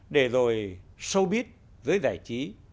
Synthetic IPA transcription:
ɗe˧˩zo˨˩jsə˧wɓi˦˥ət̚ | zəː˨˦jza̰ː˧˩˨jt͡ɕi˨˦

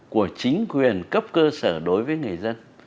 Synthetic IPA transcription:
ku˧˩ət͡ɕï˨˦ŋ̟kwi˨˩ənkə˦˥p̚kəː˧səː˧˩ɗo˨˦jvəː˨˦jŋɨ˨˩əjzə˧n

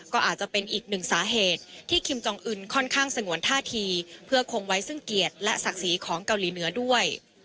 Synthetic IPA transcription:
kɔː˥˩ʔaː˨˩t̪̚t͡ɕa˨˩pe˧nʔiː˨˩k̚nɯ˨˩ŋsaː˩˦ɦeː˨˩t̪̚ʰːiː˥˩kʰi˧mt͡ɕɔ˧ŋʔɯ˧nkʰɔ˥˩nkʰaː˥˩ŋsa˧ŋu˨˩˦ənt̪ʰaː˥˩t̪ʰiː˧pʰɯ˥˩ɐkʰo˧ŋwa˦˥jsɯ˥˩ŋki˨˩ət̪̚lɛ˦˥ʔsa˨˩k̚siː˩˦kʰɔː˩˦ŋka˧wliː˩˦nɯ˩˦ɐdu˥˩əj

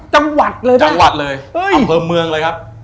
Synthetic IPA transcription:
t͡ɕa˧ŋwa˨˩t̪̚lɤː˧ja˧ŋwa˨˩t̪̚lɤː˧jʔəː˧˩jmpʰɤː˧mɯ˧əŋləː˧jkʰa˦˥p̚

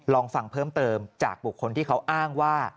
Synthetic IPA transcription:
lɔː˧ŋfa˨˩ŋpʰɤː˥˩mt̪ɤː˧mt͡ɕaː˨˩k̚bu˨˩kʰːo˧nt̪ʰiː˥˩kʰa˦˥wʔaː˥˩ŋwaː˥˩

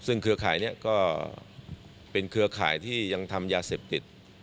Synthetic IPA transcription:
sɯ˥˩ŋkʰɯ˧ɐkʰaː˩˦jni˦˥˩ɐkɔː˥˩ | pe˧nkʰɯ˧ɐkʰa̰ː˩˦jt̪ʰiː˥˩ja˧ŋt̪ʰa˧mjaː˧seː˨˩p̚t̪i˨˩t̪̚

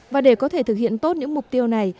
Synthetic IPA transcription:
vaː˨˩ɗe˧˩kɔ˨˦t̪ʰe˧˩t̪ʰɨ˨˩k̚hḭ˧˨ənt̪o˦˥t̚ɲɨ̰˧˥ŋmʊ˨˩k͡p̚t̪i˧əwna˨˩j

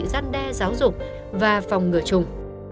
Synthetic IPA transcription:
zaː˧nɗɛ˧zaː˨˦wzʊ˨˩k͡p̚ | vaː˨˩fɔ˨˩wŋ͡mŋɨ˨˩ət͡ɕʊ˨˩ŋ͡m

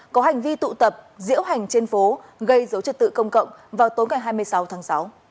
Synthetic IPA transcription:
kɔ˨˦ɦa˨˩jŋ̟vi˧t̪ṵ˧˨t̪ə˨˩p̚zḭ˧˥əwɦa˨˩jŋ̟t͡ɕe˧nfo˨˦ | ɣə˧jzə˨˦wt͡ɕɨ˨˩t̚t̪ɨ̰˧˨kə˧wŋ͡mkə̰˧˨wŋ͡mvaː˨˩wt̪o˨˦jŋa˨˩jɦaː˧jmɨ˧əjsa˨˦wt̪ʰaː˨˦ŋsa˨˦w

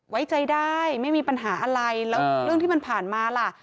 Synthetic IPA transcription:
wa˦˥jt͡ɕa˧jdaː˥˩jma˥˩jmiː˧pa˧nɦaː˩˦ʔa˧ɾa˧jlɛː˦˥wɾɯ˥˩əŋt̪ʰiː˥˩ma˧npʰaː˨˩nmaː˧la˨˩ʔ

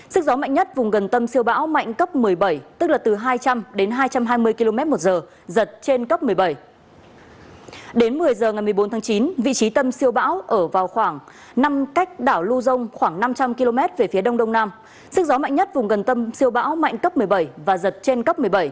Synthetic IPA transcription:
sɨ˦˥k̚zɔ˨˦ma̰˧˨ŋ̟ɲə˦˥t̚vʊ˨˩ŋ͡mɣə˨˩nt̪ə˧msi˧əwɓa̰ː˧˥wma̰˧˨jŋ̟kə˦˥p̚mɨ˨˩əjɓə˧˩jt̪ɨ˦˥k̚laː˨˩t̪ɨ˨˩ɦaː˧jt͡ɕa˧mɗe˨˦nɦaː˧jt͡ɕa˧mɦaː˧jmɨ˧əjki˧lo˧mɛ˦˥t̚mo˨˩t̚zəː˨˩ | zə˨˩t̚t͡ɕe˧nkə˦˥p̚mɨ˨˩əjɓə˧˩j | ɗe˨˦nmɨ˨˩əjzəː˨˩ŋa˨˩jmɨ˨˩əjɓo˨˦nt̪ʰːŋt͡ɕi˨˦nvḭ˧˨t͡ɕi˨˦t̪ə˧msi˧əwɓa̰ː˧˥wʔəː˧˩vaː˨˩wxwaː˧˩ŋ | na˧mka˦˥jk̟̚ɗaː˧˩wlu˧zə˧wŋ͡mxwaː˧˩ŋna˧mt͡ɕa˧mki˧lo˧mɛ˦˥t̚ve˨˩fi˨˦əɗə˧wŋ͡mɗə˧wŋ͡mnaː˧m | sɨ˦˥k̚zɔ˨˦ma̰˧˨ŋɲə˦˥t̚vʊ˨˩ŋ͡mɣə˨˩nt̪ə˧msi˧əwɓa̰ː˧˥wma̰˧˨jŋkə˦˥p̚mɨ˨˩əjɓə˧˩jvaː˨˩zə˨˩t̚t͡ɕe˧nkə˦˥p̚m˨˩əjɓə˧˩j

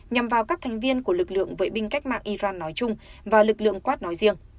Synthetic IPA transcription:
ɲa˨˩mvaː˨˩wkaː˦˥k̚t̪ʰɛ˨˩jŋ̟vi˧ənku˧˩əlɨ˨˩k̚lɨ̰˧˨əŋvəː˨˦jɓï˧ŋ̟ka˦˥jk̟̚ma̰ː˧˨ŋʔi˧zaː˧nːɔ˨˦jt͡ɕʊ˧ŋ͡mvaː˨˩lɨ˨˩k̚lɨ̰˧˨əŋkwaː˦˥t̚nɔ˨˦jzi˧əŋ

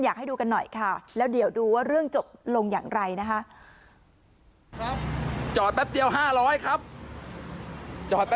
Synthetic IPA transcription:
njaː˨˩a˥˩jduː˧ka˧nːɔ˨˩jkʰa˥˩lɛː˦˥wdi˨˩˦wduː˧waː˥˩ɾɯ˥˩əŋt͡ɕo˨˩p̚lo˧ŋja̰ː˨˩ŋɾa˧jna˦˥kʰa˦˥ʔ | t͡ɕɔː˨˩t̪̚wɛ˦˥p̚di˧əwɦaː˥˩ɾɔː˦˥jkʰɾa˦˥p̚ | t͡ɕɔː˨˩t̪̚wɛ˦˥

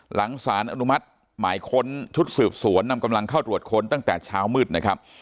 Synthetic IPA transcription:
lʔa˩˦ŋsaː˩˦nʔa˧nu˦˥ma˦˥t̪̚ | maː˩˦jkʰo˧nt͡ɕʰu˦˥t̪̚sɯː˨˩p̚su˨˩˦ənːa˧mka˧mla˧ŋkʰa˥˩wt̪ɾu˨˩ət̪̚kʰo˧nt̪a˥˩ŋt̪ɛː˨˩t͡ɕʰaː˦˥wmɯː˥˩t̪̚na˦˥˩kʰa˦˥p̚

